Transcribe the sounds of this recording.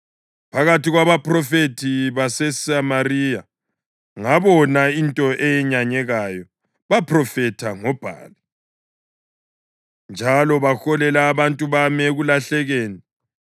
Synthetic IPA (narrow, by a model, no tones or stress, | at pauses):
pʰaɣatiɣwaβaprɔfetʰiβasɛsamarija | ŋaβɔnaintʼɔʔɛjɛɲaɲɛɣajɔ | βapʰrɔfɛtʰaŋɔb̥ʱa̰ːli | nd͡ʒʱalɔβaxɔlɛlaːβantʼuβamɛɣulaɬɛɣeːni